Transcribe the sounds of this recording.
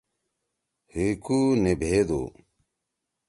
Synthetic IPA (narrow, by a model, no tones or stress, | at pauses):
heːkuːnebʱeːd̪o̰ː